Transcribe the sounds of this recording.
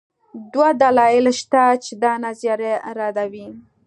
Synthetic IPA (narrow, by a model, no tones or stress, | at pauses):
d̪wad̪alɑɪlʃt̪at͡ʃed̪ɑnazjɑɾeɾɑd̪awi